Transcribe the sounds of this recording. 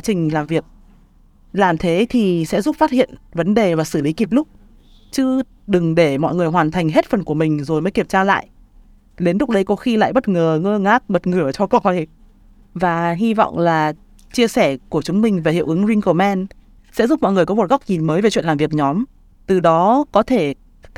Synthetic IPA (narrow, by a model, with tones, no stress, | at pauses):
t͡ɕï˨˩ŋ̟laː˨˩mvi˨˩ək̚ | laː˨˩mt̪ʰe˨˦t̪ʰi˨˩sɛ̰˧˥zu˦˥p̚faː˦˥t̚hḭ˧˨ənvə˨˦nɗe˨˩vaː˨˩sɨ˧˩li˨˦ki˨˩p̚lʊ˦˥k͡p̚ | t͡ɕɨ˧˦ | ɗɨ˨˩ŋɗe˧˩mɔ̰˧˨jŋɨ˨˩əjɦwaː˨˩nt̪ʰa˨˩jŋ̟ɦe˦˥t̚fə˨˩nku˧˩əmï˨˩ŋ̟zo˨˩jməː˨˦jki˧˩əmt͡ɕaː˧la̰ː˧˨jʔ | ɗe˨˦nlʊ˦˥k͡p̚ɗə˨˧jkɔ˨˦xi˧la̰ː˧˨jɓə˦˥t̚ŋəː˨˩ŋəː˧ŋaː˦˥k̚ɓə˨˩t̚ŋɨ˨˧˩ə˨t͡ɕɔ˧kɔ˦˥ka˧˨˩ | vaː˨˩ɦi˧vɔ̰˧˨wŋ͡mlaː˨˩ | t͡ɕi˧əsɛ˧˩ku˧˩ət͡ɕʊ˨˦ŋ͡mmï˨˩ŋ̟vaː˨˩hḭ˧˨əwʔɨ˨˦ŋzi˧ŋko˧˩mɛ˧n | sɛ̰˧˥zu˦˥mɔ̰˧˨jŋɨ˨˩əkɔ˨˦mo˨˩t̚ɣa˦˥wk͡p̚ɲi˨˩nməː˨˦jve˨˩wḭ˧˨laː˨˩vi˨˩ək̚ɲɔ˨˦m | t̪ɨ˨˩ɗɔ˨˦kɔ˨˦t̪ʰe˧˩